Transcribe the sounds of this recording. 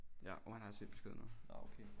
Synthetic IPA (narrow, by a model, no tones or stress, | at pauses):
jæɒhænhɑæsel̥b̥esɡ̥e̝ðˠnɔ̽ːð̩ˠɑokʰeː